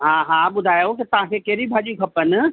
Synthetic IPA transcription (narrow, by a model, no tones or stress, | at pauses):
ɦãɦãbʊd̪ʱaːjaoket̪ɐɦãkekeɾibʱaːd͡ʒikʰɐpən